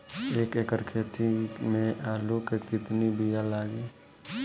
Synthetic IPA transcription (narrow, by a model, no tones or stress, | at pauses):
eːkeːkəɾkʰeːt̪imẽʔaːlukekɪt̪nibijalaːɡiː